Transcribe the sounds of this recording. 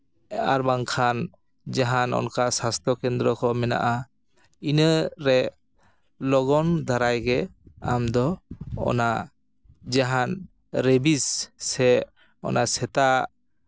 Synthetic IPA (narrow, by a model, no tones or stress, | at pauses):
a̰ɾbaŋkʰan | d͡ʒaɦanɔ̰nkasast̪ʰɔkɛnd̪ɾɔkɔmɛna̰ʔa | inəɾɛ | lɔɡɔnd̪ʱaɾajɡɛa̰md̪ɔɔ̰na | d͡ʒaɦan | ɾebisːɛ | ɔ̰nasɛt̪a